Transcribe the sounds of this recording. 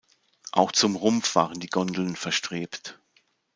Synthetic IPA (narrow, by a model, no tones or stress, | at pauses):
ʔaʊxt͡sʊmʁʊmfv̥a̰ːʁ̞əndiːɡɔndl̩nfɛɐʃtʁ̥eːpt